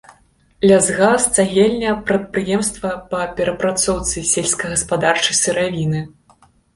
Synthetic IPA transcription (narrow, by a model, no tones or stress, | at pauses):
lʲazɣast̪saɣʲɛlʲnʲɛpɾɐt̪̚pɾɨjɛmst̪vɐpɐpʲɛɾɐpɾat̪sɔwt̪sɨsʲelʲsʲkɐjɣɐspad̪art͡ʂɨjsɨɾavʲinɨ